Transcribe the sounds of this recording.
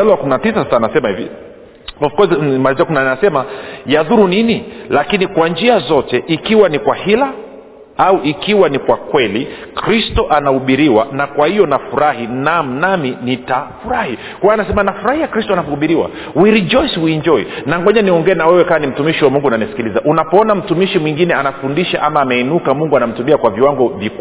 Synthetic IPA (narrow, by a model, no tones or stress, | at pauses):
aluwakuminatisasasanasɛmahḭvḭ | ɔfu̥kɔzmaiziakuminanasɛmajaðuɾuninilakinikwand͡ʒiazɔtɛʔikiwanikwahila | auʔikiwanikwakwɛlikɾistɔʔanahuɓiɾiwanakwahijɔnafuɾahinam̩naminitafuɾahi | kwajanasɛmanafuɾahiakɾistɔanapɔhuɓiɾiwa̰ | wiɾid͡ʒɔjshuiɲd͡ʒɔḭnaŋɡɔɲaniɔŋɡɛːnawɛwɛkawanim̩tumiʃiwamuŋɡunanisi̥kilizaʔunapɔɔnam̩tumiʃimwiŋɡinɛanafundiʃaʔamaːmɛinukamuŋɡuanam̩tumiakwaviwaŋɡɔvik